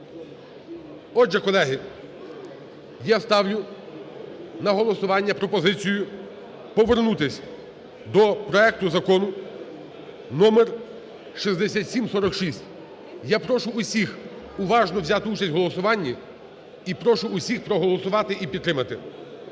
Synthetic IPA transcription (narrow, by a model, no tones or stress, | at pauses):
ɔʒɛkɔlˠɛɦɪ | jast̪ɑwlʲʊ | nɐɦɔlˠɔsʊʋɑnʲːɐpɾɔpɔzɪt͡sʲijʊ | pɔʋernut̪ɪsʲ | d̪ɔpɾɔɛk̚t̪ʊzɐkɔnʊ | nɔmer | ʃizd̪ɛsʲatʲsʲimsɔɾɔkʃisʲtʲ | japɾɔʃʊːsʲix | ʊʋɑʒnɔwzʲat̪ɪut͡ʃɐsʲtʲɦɔlˠɔsʊʋɑnʲːi | ipɾɔʃʊːsʲixpɾɔɦɔlˠɔsʊʋɑt̪ɪʔipʲid̪ːɾɪmɐt̪ɪ̰